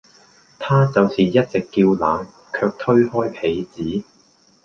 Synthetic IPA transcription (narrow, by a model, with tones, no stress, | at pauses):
t̪ʰaː˥t͡sɐ˨wsiː˨jɐ˥t̚t͡sɪ˨kːiː˧wlaː˨˧˥n | kʰœː˧k̚t̪ʰɵ˥ɥhɔː˥jpʰe˨˥jt͡siː˨˥